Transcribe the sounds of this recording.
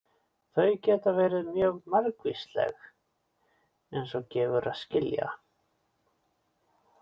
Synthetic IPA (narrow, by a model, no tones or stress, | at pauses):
θœɥcɛːt̪avɛːɾɪðmjœːɣmaɾkvist̪lɛ̰x | ejnsɔcɛːvʏɾaðscɪlja̰